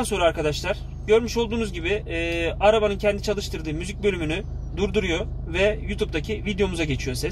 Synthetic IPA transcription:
anso̞nɾaɾkad̪aʃlˠaɾ̥ | ɟø̞ɾmyʃo̞lˠd̪uːnuzɟibɪːaɾabanɯncʰɛnd̪it͡ʃʰalˠɯʃt̪ɯɾd̪ɯːmyzic̚bø̞lʲymyny | d̪uɾd̪uɾujo̞vɛjut̪ʰup̚d̪acʰivid̪ejo̞muzaɟe̞t͡ʃʰijo̞sɛ

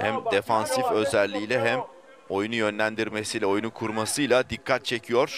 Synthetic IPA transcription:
hæmd̪e̞fansifø̞zælʲːijlʲɛɦæm | o̞junujø̞nlʲænd̪iɾme̞sijlʲɛo̞junukʰuɾmasɯjlˠad̪ikʰːat̪̚t͡ʃʰe̞cʰijo̞ɾ̥

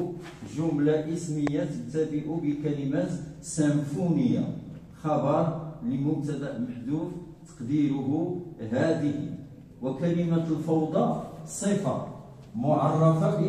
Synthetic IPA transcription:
ʒʊmlaʔəsməjːat̪ət̪ːæb̪əʔubəkælimæt̪sæmfunəjːa̰ | xɑbɑɾˤləmʊbt̪æd̪æʔməħd̪uft̪ɑ̥qd̪iɾʊɦuɦæd̪əhḭ | wəkælimælfɑwd̪ˤɑsˤifɑ̰ | mʊʕɑrˤːɑfɑb

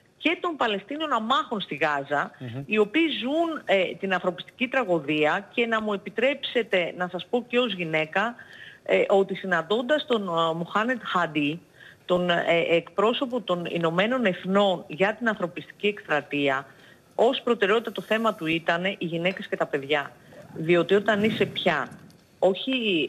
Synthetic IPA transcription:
ce̞t̪o̞mpɐle̞st̪ino̞nɐmɐxo̞nst̪iɣɐzɐio̞piːzunt̪inɐnθɾo̞pi̥st̪i̥cit̪ɾɐɣo̞ðiɐce̞nɐmue̞pit̪ɾe̞pse̞t̪e̞nɐsɐspo̞ce̞o̞zʝine̞kɐ | ʔo̞t̪isinɐnd̪o̞nd̪ɐst̪o̞nmuxɐne̞t̪xɐd̪i | t̪o̞neekpɾo̞so̞po̞t̪o̞nḭno̞me̞no̞ne̞θno̞nʝɐt̪inɐnθɾo̞pist̪i̥cie̞kst̪ɾɐt̪iɐ | o̞spɾo̞t̪e̞ɾeo̞t̪it̪ɐt̪o̞θe̞mɐt̪uit̪ɐne̞ʔiʝine̞cesce̞t̪ɐpe̞ðʝɐ | ðio̞t̪io̞t̪ɐnise̞pçɐ | o̞çi

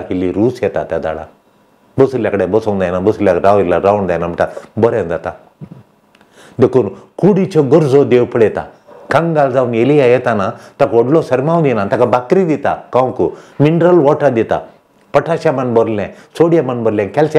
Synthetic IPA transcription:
kilːiɾuːset̪a̰t̪ad̪a̰ːɽa̰ | bɐsuljakɐɽebɐsond̪ajnabɐsulʲjaɾaːwilːaɾaːwund̪ajnamiʈabɔɾend̪at̪a | d̪ekunkuːɽit͡ʃoɡɔɾzod̪eːwpɐɽet̪a̰ | kɐŋɡaːld̪aːnelijajet̪anat̪ɐkɔɖlosɐɾmaːwnd̪inãnt̪ɐkabakɾid̪it̪a̰kawkumiɳɖɾɐlʋoːʈad̪it̪a̰ | pɐʈʰaːʃamɐnbɔɾlẽ | soːɽijamɐnbɐɾlʲẽkɛls

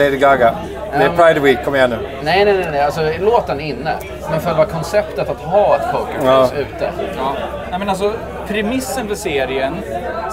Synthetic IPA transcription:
leɪd̪ɪɡaɡa | d̪ɛːpʰɹaɪd̪əwiːkʰːɔmːjahɛnːʉ | nɛɪnɛɪnɛnɛalsɔloːt̪ənɪnːə̰ | mɛnfœɾvaːkʰɔnsɛpt̪ət̪at̪ɦɑːɛt̪pʰəʊkəɔsʉ̟ːt̪ə | nɛɪmɛnals̬ɔ | pʰɾɛmɪsːənvɪseːɾɪən

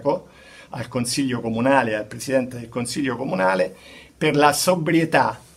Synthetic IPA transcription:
ko | a̰lkonsiʎːokomunaːlealpɾesid̪ɛnt̪ed̪elkonsiʎːokomunaːleperlasobɾjet̪a

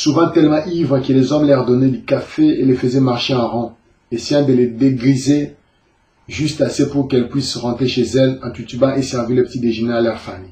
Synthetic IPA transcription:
suvɑ̃t̪ɛlmɑ̃ʔivʁəkəlezɔ̃mlɛʁd̪ɔnɛd̪ykafeelefəzɛmaʁʃeɑ̃ʁɑ̃ | esejɛ̃d̪əled̪eɡʁize | ʒyst̪asepuʁkɛlpɥisʁɑ̃t̪χeʃezɛlɛ̃t̪ut̪ybãʔesɛʁviləpət̪id̪eʒənɛalœʁfami

